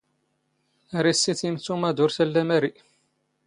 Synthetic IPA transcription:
ɾisːiθimt͡sːumæd̪ʊɾsælːæmæɾiʔ

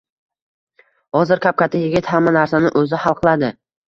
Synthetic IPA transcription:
hɒzɪɾkʲʰap̚kʲat̪ʰɪjɪɡʲɪt̪hamːanaɾsanɪʔɵzɪhalˠqʰɨlˠad̪ɪ

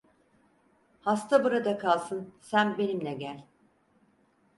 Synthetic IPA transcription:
hast̪ʰabuɾad̪akʰalˠsɯnsænbe̞nimlʲɛɟælʲ

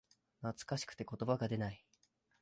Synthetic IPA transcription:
nat͡sɨ̥kaɕi̥kɯ̟̥t̪e̞ko̞t̪o̞baɡad̪e̞nai

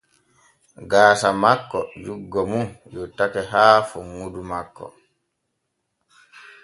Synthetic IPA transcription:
ɡaːsamakːɔd͡ʒuɡːɔmunjɔtakɛɦaːfɔŋːudumakːɔ̰

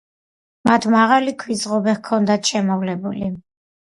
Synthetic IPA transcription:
mat̪ʰmaʁalikʰwizʁɔbɛχkʰɔnd̪at̪ʰʃɛmɔvlɛbuli

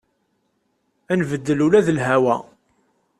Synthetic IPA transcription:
ænvəd̪ːəlulæðəlɦæwæ̰

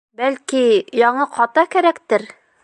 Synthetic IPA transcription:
bælkijɑɴɤqʰɑt̪ɑkæɾækt̪ɘɾ

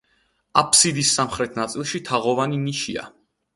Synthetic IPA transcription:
apʰsid̪isːamχɾɛt̪ʰnat̪sʼilˠʃit̪ʰaʁɔvaniniʃia̰

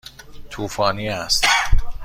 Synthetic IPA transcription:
t̪ʰuːfɒːniːæst̪

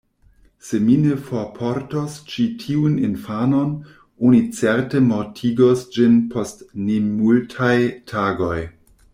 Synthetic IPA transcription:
seminefopʰoɾtost͡ʃitʰiuninfano̞n | onit͡seɾtemoɾtʰiɡosd͡ʒinpʰostnemultʰajtʰaɡo̞j

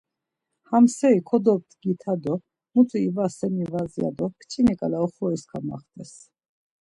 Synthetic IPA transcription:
hamsɛikʰɔd̪ɔp̚t̪ɡit̪ʰad̪ɔ | mut̪ʰʼuivasɛmivazija̰d̪ɔkʰt͡ʃʰʼinikʼalaɔχɔiskʰama̰χt̪ʼɛs

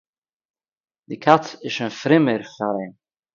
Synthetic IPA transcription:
d̪̥ɪkʰat͡sɪʃɪnfɾɪməɾfaɾen

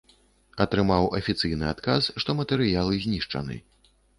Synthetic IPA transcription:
ɐt̪ɾɨmawʔɐfʲit̪sɨjnɨat̪kasʂt̪ɔmɐt̪ɛɾɨjalˠɨzʲnʲiʂt͡ʂɐ̰nɨ̰

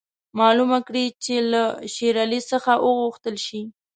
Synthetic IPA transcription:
mɑlumakɽit͡ʃelaʃeɾalisəxaʔəɣʊxt̪əlʃi

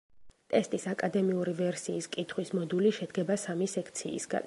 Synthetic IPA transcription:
t̪ʼɛst̪ʼisakʼad̪ɛmiuɾivɛɾsiːskʼit̪ʰχwismɔd̪uliʃɛd̪ɡɛbasamisɛkʰt̪sʰḭːsɡa̰n

